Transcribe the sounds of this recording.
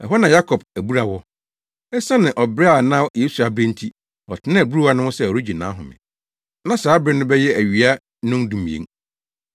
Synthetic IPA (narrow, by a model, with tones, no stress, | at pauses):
ɛ̰˨ɦɔ˦nã˨ja˦kʰɔ˨b̚æ˨bu˦ɾa˨wɔ˦ | ɛ˦sã˦nɪ̃˨ʔɔ˨bɾa˨nã˦je˦su˨a˨bɾẽ˦n̩˦tʰi˦ | ɔ˨tʰɪ˦nã˦æ˨bɾu˦wa˦nʊ̃˦hʊ̃˦sɛ˦ɔ˨ɾi˦d͡ʑi˨nã˨˦ɦʊ̃˨mɪ̰̃˨ | nã˦saː˨˦bɾɪ˦nʊ̃˦bɛ˦jɛ˦ʔæ˨ɥi˨a˦ | nʊ̃˦n˦dũ˨m̃˨ḛ̃˨˦